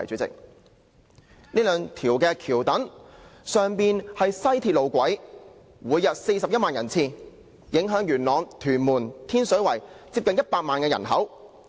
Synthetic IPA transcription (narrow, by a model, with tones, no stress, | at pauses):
ɐ˨˩jt͡ʃyː˨˥t͡sɪ̰˨k̚ | niː˥lœː˨˧ŋt̪ʰiː˨˩wkɛː˧kʰiː˨˩wt̪ɐ˨˥ŋsœː˨˩ŋpiː˨˧nhɐ˨jsɐ˥jt̪ʰiː˧t̚lo˨˧wkʷɐ˨˥j | wuː˨˧jːɐ˨t̚se˧jsɐ˨p̚jɐ˥t̚maː˨njɐ˨˩nt͡sʰiː˧ | jɪ˨˥ŋɦœː˨˥ŋjyː˨˩nlɔː˨˧ŋt̪ʰyː˨˩nmuː˨˩nt̪ʰiː˥nsɵ˨˥wɐ˨˩jt͡siː˧p̚kɐ˨˧njɐ˥t̚paː˧k̚maː˨nkɛː˧jɐ̰˨˩nɦɐ̰˨˥w